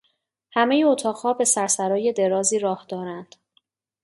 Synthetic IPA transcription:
hæme̞jeot̪ʰɒːʁhɒːbe̞sæɾsæɾɒːje̞d̪e̞ɾɒːziːɾɒːhd̪ɒːɾænd̪̥

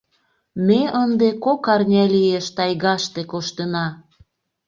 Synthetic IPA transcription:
meənd̪ekokɑrnʲælijeʃt̪ɑjɣɑʃt̪ekoʃt̪enɑ

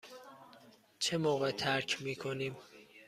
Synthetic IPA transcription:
t͡ʃʰemoːɣet̪ʰæɾkʰmiːkʰoniːm

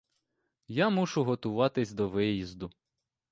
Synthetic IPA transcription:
jamuʃʊɦɔt̪ʊʋɑt̪ɪsʲd̪ɔʋɪjizd̪ʊ

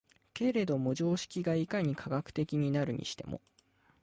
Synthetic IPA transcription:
ke̞ɾe̞d̪o̞mo̟ʑo̞ːɕi̥kʲiɡaikaɲ̟ikʰaɡakɯ̥t̪e̞kʲiɲ̟inaɾɯ̟ɲ̟ḭɕi̥t̪e̞̰mʔo̰

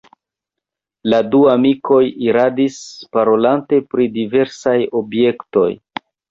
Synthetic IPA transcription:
laduamikʰo̞jiɾadispaɾo̞lante̞pɾidive̞ɾsajo̞bje̞kto̞̰j

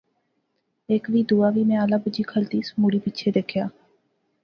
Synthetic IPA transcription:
eːkʋiːd̪uːaːʋiːmɛ̃ːəlaːbʊd͡ʒiːkʰəlt̪iːsmuːɽiːpɪtːʃʰeːd̪eːkʰjaː

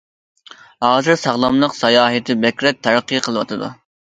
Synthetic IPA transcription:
hɑːzɨɾsɑʁlˠɑmlˠəqsɑjɑːɦɨt̪ʰɪbɛkʲɾɛk̚t̪ʰæɾqʰːiqʰəlˠɨwɑt̪ʰɨd̪ṵ

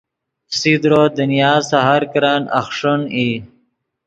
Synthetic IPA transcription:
sid̪ɾod̪ənijɑːzsaɦaɾkɾɑːna̰xʂoni

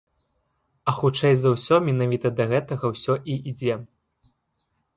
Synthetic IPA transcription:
ɐxut͡ʂɛjzɐwsʲɔmʲɛnavʲit̪ɐd̪ɐɣɛt̪ɐɣɐwsʲɔʔiʔid͡zʲɛ

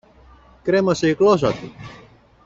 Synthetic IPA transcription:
kɾemɐseiklosɐt̪ṵ

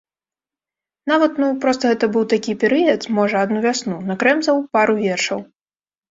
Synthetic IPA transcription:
navɐt̪nupɾɔst̪ɐɣɛt̪ɐbɨwt̪akʲipʲɛɾɨjɐt̪mɔʐɐad̪nuvʲasnunɐkɾɛmzɐwpaɾuvʲɛrʂɐw

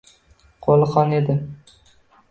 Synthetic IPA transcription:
qʰolˠqɒne̞d̪ɪ

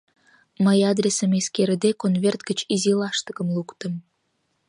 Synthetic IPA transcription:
məjɑd̪ɾʲesəmeskeɾəd̪ekonvert̪̚ɡət͡ɕizilɑʃt̪əɣə̆mlukt̪əm

